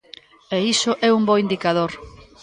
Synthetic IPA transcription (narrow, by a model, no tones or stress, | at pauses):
eisʊʔɛumbɔind̪ikaðoɾ